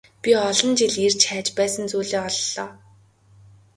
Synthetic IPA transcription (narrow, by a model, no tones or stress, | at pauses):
pʲiɔɮɞ̆nt͡ɕiɮert͡ɕʰæːt͡ɕpæːsə̆nt͡suːɮeːɔɮːɔː